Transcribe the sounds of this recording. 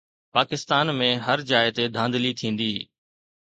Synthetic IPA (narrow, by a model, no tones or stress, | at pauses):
paːkɪst̪aːnmẽɦəɾd͡ʑaːɪt̪ed̪ʱãːnd̪lit̪ʰĩːn̆d̪iː